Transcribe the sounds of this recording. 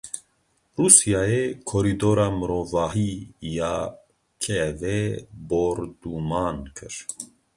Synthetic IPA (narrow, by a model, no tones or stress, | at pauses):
ruːsijaːjeːkʰoɾiːd̪oːɾaːmɨɾoːvaːɦiːjaː | kʰɛveboːɾd̪uːmɑːnkʰɨɾ